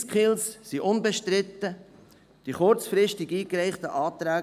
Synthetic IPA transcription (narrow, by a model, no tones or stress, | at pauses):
skχɪlssiʔʊnbeʃtɾɪt̪ːə | d̥iχʊɾt͡sfɾɪʃtɪɡiːkɾɛɪχt̪əʔɑːt̪ɾæː